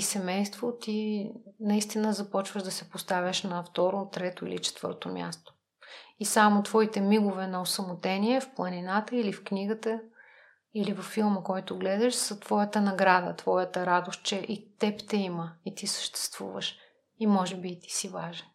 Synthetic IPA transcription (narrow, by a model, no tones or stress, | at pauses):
isɛmɛjst̪vot̪inɐist̪inəzɐpɔt͡ʃvəʒd̪ɐsɛpost̪avʲəʃnɐft̪ɔɾot̪ɾɛt̪oḭlḭt͡ʃɛ̥t̪vɤ̰ɾt̪omʲja̰st̪o̥ | isamot̪vɔit̪ɛmiɡʊvɛnɐosəmʊt̪ɛniɛfplˠɐninat̪əilifkniɡət̪ə | ilivɐfːilˠməkɔjt̪ʊɡlɛd̪ɛʃsɐt̪vɔjət̪ənɐɡɾad̪ə̰t̪vɔjət̪əɾad̪ost̪̚t͡ʃɛʔit̪ɛpt̪ɛiməit̪isə̥ʃt̪ɛ̥st̪vṵvə̰ʃ | imɔʒɛbiːt̪i̥sivaʒɛn